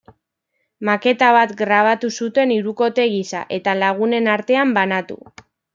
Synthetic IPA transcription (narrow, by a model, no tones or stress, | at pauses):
make̞t̪aβ̞at̪ɡɾaβ̞at̪usut̪e̞niɾuko̞t̪eɣ̞isa̰ʔe̞t̪alaɣ̞une̞naɾt̪e̞ambanat̪ṵ